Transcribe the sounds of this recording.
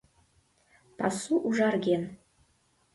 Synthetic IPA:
pɑsuʔuʒɑɾɡʲen

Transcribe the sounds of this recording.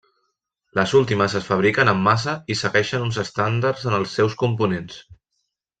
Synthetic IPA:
ləzulˠt̪iməsəsfəβ̞ɾikənəmːas̬əisəɣɛʃənunzəst̪and̪aɾzənəlˠsːɛwskumpunens

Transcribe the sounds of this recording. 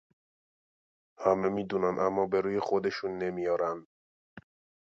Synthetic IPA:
hæmemiːd̪uːnænʔæmːɒːbeɾuːjexod̪eʃuːnːemijɒːɾænd̪

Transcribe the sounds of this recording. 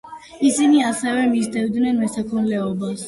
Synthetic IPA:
isiniasɛvɛmisd̪ɛvd̪nɛnmɛsakʰunlɛɔbas

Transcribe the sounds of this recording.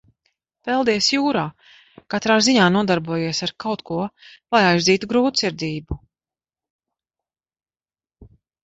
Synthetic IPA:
pɛlˠd̪iɛsjuːɾaː | kat̪ɾaːziɲaːnuɔd̪aɾbuɔjiɛsaɾkawt̪kʰuɔlˠajajziːt̪uɡɾuːt̪siɾd̪iːbu

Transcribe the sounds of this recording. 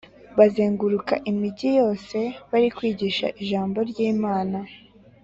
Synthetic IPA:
βazeːŋɡuɾukaʔimiɟijo̞ːse̞βaɾikwiːɟiʃa̰ʔiʒaːmbo̞ɾɟiːmaːna

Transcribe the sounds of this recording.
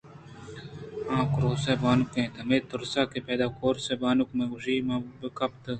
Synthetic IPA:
ãːkɾoːsebaːnukẽːt̪ɐmeːt̪ʊɾsaːkepeːd̪aːkoːɾsebaːnukmẽːʊʐiːmɐ̃ːbəkɐp̚t̪ə

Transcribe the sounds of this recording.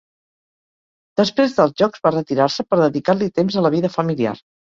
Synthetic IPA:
d̪̥əspɾezðəlˠzʒɔkzβarət̪iɾaɾsəpəɾðəðikaɾlit̪emzələβ̞iðəfəmilia̰r

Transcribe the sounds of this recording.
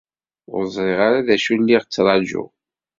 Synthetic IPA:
ʊ̰ɾəzˤɾˤɪʁaɾaðæʃulːiʁt͡sːɾˤɑd͡ʒṵ

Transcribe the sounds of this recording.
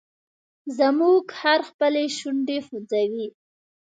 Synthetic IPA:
zəmuɡhaɾxpəleʃuɳɖexud͡zawi

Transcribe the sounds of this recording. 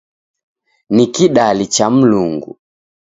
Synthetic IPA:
nikiɗalit͡ʃam̩luŋɡṵ

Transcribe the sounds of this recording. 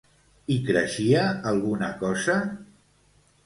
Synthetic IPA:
ikɾəʃiaːlˠɣunakɔza

